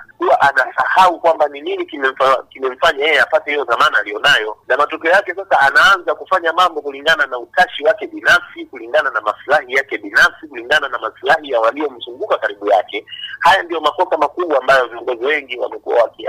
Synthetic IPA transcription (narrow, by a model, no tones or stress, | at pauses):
kuwaʔanasahaukwambanininikimɛm̩fakimɛm̩faɲajɛjɛapatɛhijɔðamanaalijɔnajɔnamatɔkɛɔjakɛsasaanaanzakufaɲamambɔkuliŋɡananautaʃiwakɛɓinafsikuliŋɡananamaslahijakɛɓinafsikuliŋɡananamaslahijawaliɔm̩zuŋɡukakaɾiɓujakɛhajandijɔmakɔsamakuɓwaːmbajɔviɔŋɡɔziwɛŋɡiwa̰mɛkua̰wakia̰